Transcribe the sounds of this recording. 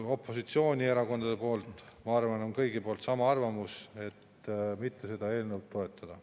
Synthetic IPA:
o̞pːˑo̞sit̪sio̞ːnʲie̞ɾɑko̞nd̪̥ɑd̪̥e̞po̞ːlt̪ˑmɑɑrvɑno̞nkɤjɡipo̞ːlt̪sɑmɑɑrvɑmuse̞t̪ː | mit̪ːe̞se̞d̪̥ɑe̞ːlnewt̪ːo̞e̞t̪ːˑɑd̪̥ɑ

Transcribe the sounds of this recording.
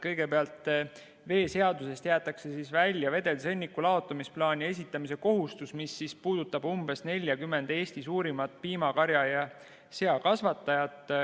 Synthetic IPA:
kɤjɡ̥e̞peɑlt̪ˑː | ve̞ːse̞ɑd̪use̞st̪jæːt̪ːˑɑkse̞sisvælʲjɑve̞d̪e̞lse̞nʲːikːˑulɑo̞t̪ːˑɑmisplɑːnʲie̞s̬ʲit̪ːˑɑmise̞ko̞ɦust̪usmisːispuːd̪ut̪ːˑɑbumb̥e̞sne̞lʲjɑkymːe̞nd̪̥e̞ːsʲt̪isuːɾimɑt̪̚piːmɑkɑɾjɑjɑ | se̞ɑkɑsvɑt̪ːˑɑjɑt̪ˑ

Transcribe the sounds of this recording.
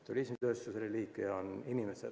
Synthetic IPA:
t̪ulʲismd̪øːsjuselːeliːkːˑejɑoninimese

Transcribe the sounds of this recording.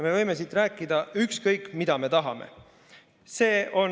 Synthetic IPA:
me̞vɤjme̞sit̪ræːkːˑid̪̥ɑykskɤjkːˑmid̪̥ɑme̞t̪ɑɦɑmḛ | se̞ːo̞n

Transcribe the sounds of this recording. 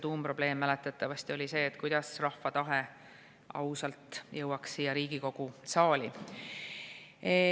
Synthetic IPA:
t̪uːmpro̞b̥le̞ːmːælɛt̪ːˑɑt̪ːˑɑvɑst̪io̞lʲise̞ːt̪ːˑkujd̪̥ɑsrɑhfɑt̪ɑɦe | ʔɑ̰wsɑlt̪ˑjɤ̞wɑkssiːjɑɾiːɡ̥iko̞ɡ̥usɑːlʲi

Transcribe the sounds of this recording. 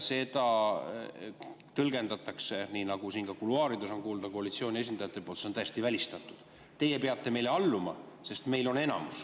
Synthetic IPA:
se̞d̪ɑ | t̪ɤlɡe̞nd̪ɑt̪ːˑɑkse̞niːnɑɡ̥usiːnkɑkuluɑːɾid̪uso̞nkuːld̪ɑko̞ɑlit̪sio̞ːnʲie̞s̬ʲinɑjɑt̪ːˑepolt̪seont̪æjest̪ivælʲist̪ɑt̪ːˑud̪̥ | t̪e̞jepeɑt̪ːe̞me̞jle̞ɑlːumɑ̰se̞st̪me̞jlo̞ne̞nɑ̰mus

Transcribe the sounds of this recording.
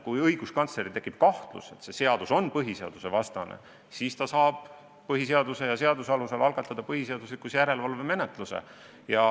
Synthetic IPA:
kujɤjɡ̥uskɑnt̪sle̞ɾit̪ekːˑip̚kɑht̪lṵse̞t̪se̞se̞ɑd̪̥uso̞npɤɦise̞ɑ̰d̪̥use̞vɑst̪ɑnḛ | siːst̪ɑsɑːb̥ | pɤɦis̬e̞ɑd̪use̞jɑse̞ɑd̪usɑluselɑlɡɑt̪ːˑɑd̪̥ɑpɤɦise̞ɑd̪̥uslikˑusjæɾe̞lvɑlve̞me̞net̪ˑlusḛ | jɑ

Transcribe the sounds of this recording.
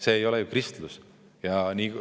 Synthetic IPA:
se̞ːjo̞lɛjukrist̪lus | jɑniː

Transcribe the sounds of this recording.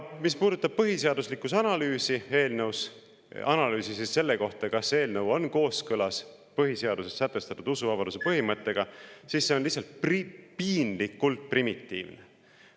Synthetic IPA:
mispuːd̪ut̪ːˑɑb̥̚pɤɦise̞ɑd̪̥uslikːˑusɑnɑlyːsie̞ːlnews | ɑnɑlyːsisisːe̞lːe̞ko̞ht̪ɑkɑsːe̞ːlnəwo̞nko̞ːskɤlɑs | pɤɦise̞ɑd̪use̞sːæt̪ːˑe̞st̪ɑt̪ːˑud̪̥usuvɑbɑd̪̥use̞pɤɦimɤt̪ːe̞ɡ̥ɑsiːsːe̞onlihsːɑlt̪̚prpiːnlikːult̪̚primit̪ːḭːvne

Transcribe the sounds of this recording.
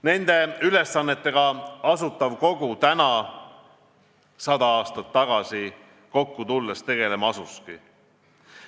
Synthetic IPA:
ne̞nd̪̥e̞yle̞sːɑnːe̞t̪ːˑe̞ɡ̥ɑɑsut̪ːˑɑvko̞ɡ̥ut̪ænɑ | sɑd̪̥ɑɑːst̪ɑt̪ːɑɡ̥ɑsi | ko̞kːut̪ulːest̪e̞ɡ̥e̞le̞mɑɑsuski

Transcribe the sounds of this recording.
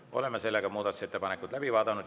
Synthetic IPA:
ʔo̞̰le̞mːese̞lːeɡɑmuːd̪ɑt̪u̥set̪ːepɑnekːˑud̪̥læb̥ivɑːd̪ɑnud̪

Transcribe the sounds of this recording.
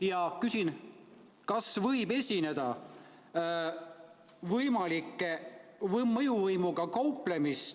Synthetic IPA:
jɑkysʲin | kɑsvɤjbe̞sʲine̞d̪̥ɑ | vɤjmɑlikːˑevmɤjuvɤjmuɡ̥ɑkɑwple̞mis

